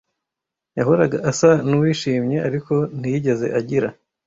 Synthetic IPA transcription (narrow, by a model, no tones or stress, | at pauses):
jaɦoɾaɡaʔasanuwiːʃiːmɲe̞ʔaɾiko̞n̥ijiɟe̞ze̞̰ʔaɟiɾa